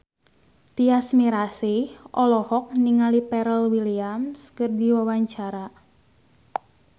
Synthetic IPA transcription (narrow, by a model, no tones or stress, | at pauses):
t̪iasmiɾasihʔɔlɔhɔk̚niŋalipɛɾəlwiliamskɨrdiwawaɲt͡ʃaɾa